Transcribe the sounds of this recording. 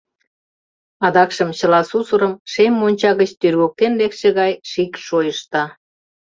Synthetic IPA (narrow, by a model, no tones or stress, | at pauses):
ɑd̪ɑkʃəmt͡ɕə̆lɑsusuɾəmʃemːonʲt͡ɕɑɣət͡ɕt̪yrɣok̚t̪enlekʃĕɣɑjʃikʃojəʃt̪ɑ